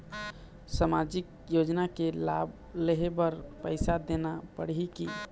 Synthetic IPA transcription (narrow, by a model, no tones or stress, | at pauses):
səmad͡ʒɪk̚ | jod͡ʒnakela̰b | leɦebəɾpəɪsad̪enapəɽɦiki